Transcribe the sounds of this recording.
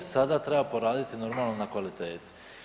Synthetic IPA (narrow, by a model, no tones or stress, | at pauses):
sad̪at̪ɾe̞bapo̞ɾaːd̪it̪ino̞ɾmaːlˠnonakʋalit̪eːt̪